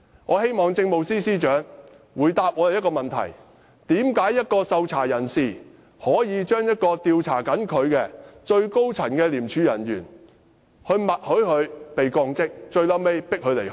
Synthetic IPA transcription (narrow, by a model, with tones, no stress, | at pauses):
ŋɔː˨˧he˥jmɔː˨ŋt͡sɪ˧ŋmo˨wsiː˥siː˥t͡ʃœː˨˥ŋ | wuː˨jt̪aː˧p̚ŋɔː˨˧e˨˩jɐ˥kɔː˧mɐ˨nt̪ʰɐ̰˨˩j | t̪iː˨˥mkaː˨˥jːɐ˥t̚kɔː˧sɐ˧wt͡sʰa̰ː˨˩jɐ˨˩nsiː˨˩ | hɔː˨˥jiː˨˧t͡ʃœː˥ŋjɐ˥t̚kɔː˧t̪iː˧wt͡sʰa̰ː˨˩kɐ˨˥nkʰɵ˨˧ɥkɛ˧t͡ʃɵ˧ɥko˥wt͡sʰɐ˨˩nkɛː˧liː˨˩mt͡ʃʰyː˨˧jɐ̰˨˩njyː˨˩n | hɵ˧ɥmɐ˨t̚hɵ˨˥ɥhɵ˨˧ɥpe˨jkɔː˧ŋt͡sɪ˥k̚t͡ʃɵ˧ɥlɐ˥wme˥jpɪ˥k̚hɵ˨˧le˨˩